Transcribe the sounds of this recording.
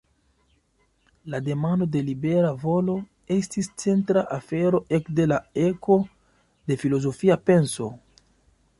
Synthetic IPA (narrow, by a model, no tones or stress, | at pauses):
lade̞mando̞de̞libe̞ɾavo̞lo̞ | e̞stist͡se̞ntɾaʔafe̞ɾo̞ʔe̞kde̞lae̞kʰo̞ | de̞filo̞zo̞fiape̞nso̞